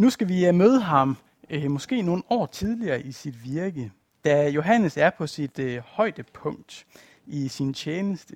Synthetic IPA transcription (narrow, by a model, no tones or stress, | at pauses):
nusɡ̥æʋimøð̞ˠəɦɑ̈m | mɒ̽sɡ̥e̝̰ːno̝ːn̩ɒ̰ːt͡sʰið̞ˠliɐːʔisid̥ʋiɐɡ̥ə | d̥æjo̝ɦænəsæɐpʰɒ̽sid̥hɒ̽ɪd̥əpʰɔ̽ŋ̰d̥ | isint͡ɕʰjeːnəsd̥ə